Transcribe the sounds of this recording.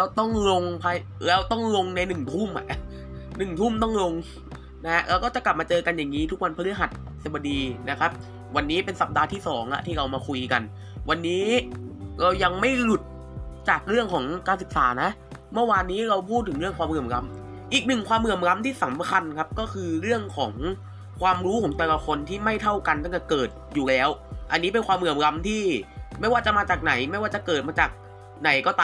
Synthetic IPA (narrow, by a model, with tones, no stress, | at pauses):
lɛː˦˥wt̪ɔ˥˩ŋlo˧ŋpʰaː˧jlɛː˦˥wt̪ɔ˥˩ŋlo˧ŋna˧jnɯ˨˩ŋt̪ʰu˥˩mʔa̰˨˩ʔ | nɯ˨˩ŋt̪ʰu˥˩mt̪ɔ˥˩ŋlo˧ŋ | na˦˥ha˦˥ʔɾaː˦˥wkɔ˥˩t͡ɕa˨˩kla˨˩p̚maː˧t͡ɕɤː˧ka˧njaː˨˩ŋːiː˦˥t̪ʰu˦˥k̚wa˧npʰa˧li˦˥ɦa˨˩t̪̚ | sa˨˩ba˧diː˧na˦˥kʰa˦˥p̚ | wa˧nːiː˦˥pe˧nsa˨˩p̚daː˧t̪ʰiː˥˩sɔː˩˦ŋʔa̰˨˩ʔt̪ʰiː˥˩ɾa˧wmaː˧kʰu˧jka˧n | wa˧nːiː˦˥ | ɾa˧wja˧ŋma˥˩jlu˨˩t̪̚ | t͡ɕaː˨˩k̚ɾɯ˥˩əŋkʰɔː˩˦ŋkaː˧nsɯ˨˩k̚saː˩˦na˦˥ʔ | mɯ˥˩waː˧nːiː˦˥ɾa˧wpʰuː˥˩t̪̚ʰːɯ˩˦ŋɾɯ˥˩əŋkʰwaː˧mɯ˨˩əmɾa˧m | ʔiː˨˩k̚nɯ˨˩ŋkʰwaː˧mɾɯ˨˩əmɾa˦˧˥mt̪ʰiː˥˩sa˩˦mkʰa˧nkʰa˦˥p̚kɔː˥˩kʰɯː˧ɾɯ˥˩əŋkʰɔː˩˦ŋ | kʰwaː˧mɾuː˦˥kʰɔː˩˦ŋt̪ɛː˨˩la˧kʰo˧nt̪ʰiː˥˩ma˥˩jt̪ʰa˥˩wka˧nt̪a˥˩ŋt̪ɛ˨˩kɤː˨˩t̪̚juː˨˩lɛː˦˥wʔa˧nːiː˦˥p̬e˧nkʰwaː˧mɾɯ˨˩əmɾa˧mt̪ʰiː˥˩ma˥˩jwaː˥˩t͡ɕa˨˩maː˧t͡ɕaː˨˩k̚na˩˦jma˥˩jwaː˥˩t͡ɕa˨˩kɤː˨˩t̪̚maː˧t͡ɕaː˨˩k̚ | na˩˦jkɔː˥˩t̪aː˧